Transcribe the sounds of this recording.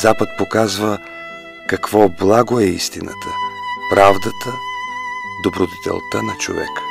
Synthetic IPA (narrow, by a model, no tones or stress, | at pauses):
zapət̪̚pokazvə | kɐkvɔblˠaɡoɛḭst̪inə̰t̪ʰəpɾavd̪ət̪ʰə | d̪obɾod̪ɛt̪ɛ̰lˠt̪ənɐt͡ʃo̰vɛ̰kə̥